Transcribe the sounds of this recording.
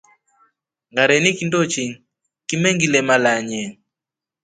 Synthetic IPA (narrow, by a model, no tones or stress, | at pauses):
ŋɡaɾɛnikindot͡ʃiŋ | kimɛŋɡilɛmalaɲɛ